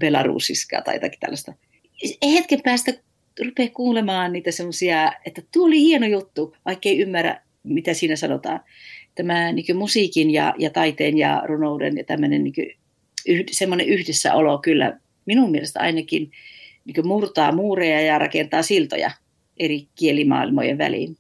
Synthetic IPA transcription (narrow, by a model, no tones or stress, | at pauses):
pelɑrṵːsːiskɑ̰ːt̪ɑ̰jo̰t̪ɑki̥t̪æ̰lːɑst̪ɑ | eihet̪kempæːst̪æ | rupeˑːkkuːlemɑːnniːt̪æsemːosiɑet̪ːæt̪uoolihienojut̪ːuʋɑikːeiymːæræ̰ | mit̪æsiːnæsɑno̰t̪ɑ̰ːn | t̪æmæniŋkømusiːkinjɑ̰jɑt̪ɑit̪eːnjɑ̰runoudḛnjɑt̪æ̰mːønenniːkø̰ | ʔyhdsemːoneʔyhdesːæ̰olokylːæ̰ | minummielest̪æɑ̰inɑkinniːŋkømurt̪ɑːmuːrejɑjɑrɑ̰kent̪ɑːsilt̪o̰jɑ̰ | ʔerikielimɑ̰ːilmo̰jḛʋʋæ̰lḭn